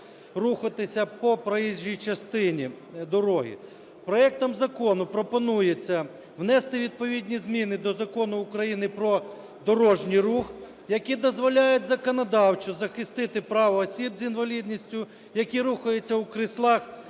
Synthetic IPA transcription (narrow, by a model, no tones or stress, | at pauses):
ruxɐt̪ɪsʲɐpɔpɾɐjizijt͡ʃɐst̪ɪnʲi | d̪ɔɾɔɦḭ | pɾɔɛk̚t̪ɐmzɐkɔnʊpɾɔpɔnujet͡sʲːɐ | wnɛst̪ɪʋʲid̪̚pɔʋʲid̪ʲnʲizmʲinɪd̪ɔzɐkɔnʊːkɾɐjinɪpɾɔ | d̪ɔɾɔʒnʲijɾux | jɐkʲid̪ɔzʋɔlʲajetʲzɐkɔnɐd̪ɑwt͡ʃɔzɐxɪst̪ɪt̪ɪpɾɑʋɐːsʲibzʲinʋɐlʲid̪ʲnʲisʲtʲʊ | jɐkʲiɾuxɐjet͡sʲːɐukɾɪslˠɑx